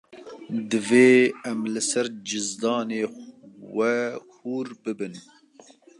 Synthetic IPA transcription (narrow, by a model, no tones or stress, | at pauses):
d̪ɨveːɛmlɨsɛɾd͡ʒɨzd̪ɑːneːwɛhuːɾbɨbɨn